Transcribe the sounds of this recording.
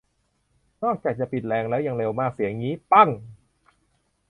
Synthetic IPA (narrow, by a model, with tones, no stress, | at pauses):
nɔː˥˩k̚t͡ɕaː˨˩k̚t͡ɕa˨˩pi˨˩t̪̚lɛː˧ŋlɛː˦˥wja˨˧˩ŋle˧wmaː˥˩k̚si˩˦əŋiː˦˥pa˥˩ŋ